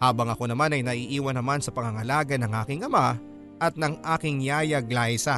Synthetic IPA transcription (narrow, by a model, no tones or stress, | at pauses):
haːbɐŋɐko̞nɐmanɐjnɐʔiːʔiːwɐnɐmansɐpɐŋɐŋɐlaːɡɐnɐŋʔaːkɪŋɐma | ʔɐt̪̚nɐŋʔaːkɪŋjaːjɐɡlajsɐ